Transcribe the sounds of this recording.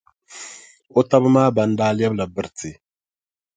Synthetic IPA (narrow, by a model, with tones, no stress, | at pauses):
o˦ta˦bɨ˦maː˦ba˨n̩˦daː˦lɛ˦bla˨bɨ˨ɾti˨